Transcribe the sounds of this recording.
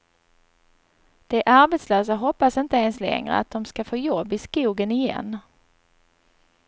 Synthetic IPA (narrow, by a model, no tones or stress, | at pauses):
d̪̥ɛʔaɾbɛt̪sløːs̬aɦɔpːasɪnt̪əeːnslɛ̰ŋɾə̰a̰t̪̚d̪ɔmskafoːjɔbːɪskuːɡənɪjɛ̰nː